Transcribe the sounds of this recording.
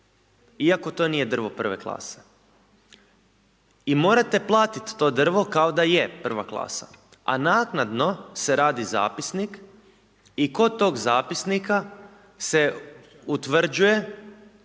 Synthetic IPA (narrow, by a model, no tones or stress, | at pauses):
iako̞t̪o̞niːje̞d̪r̩ʋo̞pr̩ʋe̞̰klˠa̰ːse̥ | imo̞ːɾat̪e̞plˠaːt̪it̪ːo̞ːd̪r̩ʋo̞kaod̪aje̞pr̩ʋaklˠa̰ːsa̰ | a̰naːknad̪no̞se̞ɾaːd̪iza̰ːpisnik | iko̞t̪ːo̞ːɡzaːpisnika | se̞ | ut̪ʋr̩d͡ʑuje̞